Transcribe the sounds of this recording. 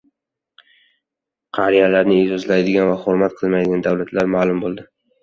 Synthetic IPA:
qʰɑɾijalaɾnɪɪd͡ʒɒzlajd̪ɪɡʲanvaχʊɾmat̪̚qʰɨlˠmajd̪ɪɡʲand̪awlat̪ʰlaɾmaːlˠʊmbolˠd̪ɪ

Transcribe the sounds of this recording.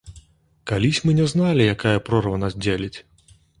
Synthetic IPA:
kalʲisʲmɨnʲɛznalʲijakajɐpɾɔrvɐnasd͡zʲelʲit͡sʲ

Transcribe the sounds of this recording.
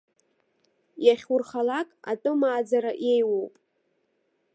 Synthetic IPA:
jaχʲurχalakʼa̰tʼɨmaːd͡zaɾaʔe̞jwowpʼ

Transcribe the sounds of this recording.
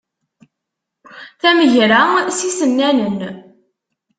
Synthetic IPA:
θæməʝɾæsisənːænun

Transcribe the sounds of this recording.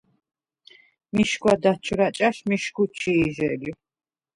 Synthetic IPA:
miʃkwad̪at͡ʃʰɾat͡ʃʼaʃmiʃkut͡ʃʰiːʒɛli

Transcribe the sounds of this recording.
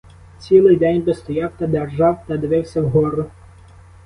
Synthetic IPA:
t͡sʲilˠɪjd̪ɛnʲbɪst̪ɔjɑwt̪ɐd̪erʒɑwt̪ɐd̪ʋɪwsʲɐwɦɔɾʊ

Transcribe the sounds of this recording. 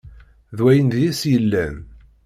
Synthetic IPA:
ðwæjənd̪jæsjəlːæn

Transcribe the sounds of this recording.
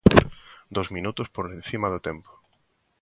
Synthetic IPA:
d̪ozmĩnut̪ospoɾlẽn̟θimaðʊt̪empo̥

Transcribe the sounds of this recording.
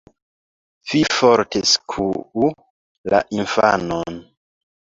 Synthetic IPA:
fifoɾtʰeskʰuu | la̰ʔinfa̰non

